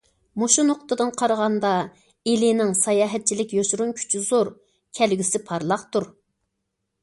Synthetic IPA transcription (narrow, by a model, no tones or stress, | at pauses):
moʃunoqt̪ɨd̪ɨnqʰɑɾəʁɑnd̪ɑ | elɪnɪŋsɑjɑːɦɛt̪̚t͡ʃʰilɪkʲjoʃɾunkʲʰy̥t͡ʃʰizoɾ | kʲʰɛlɡʲysɪpʰɑɾlˠɑqt̪uɾ